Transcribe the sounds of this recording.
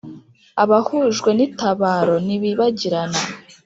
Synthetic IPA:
aβahuʒɡwe̞nitaβaːɾo̞niβiβaɟiɾana

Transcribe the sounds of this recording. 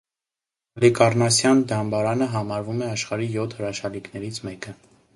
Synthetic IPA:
ɑlikɑɾnɑsjɑnd̪ɑmbɑɾɑnəɦɑmɑɾvumɛɑʃχɑɾijɔt̪ʰhəɾɑʃɑliknɛɾit͡sʰmɛkə

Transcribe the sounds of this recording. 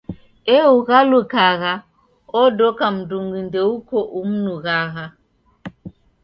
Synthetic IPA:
euɣalukaɣa | odokamduŋɡindeukoʔumnuɣaɣa

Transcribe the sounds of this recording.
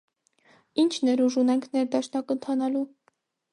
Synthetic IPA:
int͡ʃʰnɛɾuʒunɛŋkʰnɛɾd̪ɑʃnɑkənt̪ʰɑnɑlu

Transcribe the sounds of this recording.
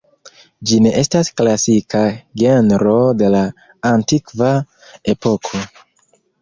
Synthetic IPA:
d͡ʒine̞ʔe̞stasklasikaɡe̞nɾo̞de̞laː | ntikva | e̞po̞kʰo̞

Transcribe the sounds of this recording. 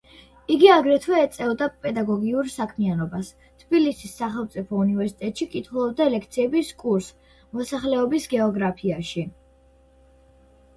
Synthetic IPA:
iɡiaɡɾɛt̪ʰvwɛːt̪sʼɛvd̪apʼɛd̪aɡɔɡiuɾsakʰmianɔbas | t̪ʰb̥ilisisːaχɛlˠmt̪sʼipʰɔunivɛɾsi̥t̪ʼɛt̪ʼʃikʼit̪ʰχulˠɔb̚d̪aɛlɛkʰt̪sʰiɛbiskʼuɾs | mɔsaχlɛɔbisɡɛɔɡɾapʰiaʃi

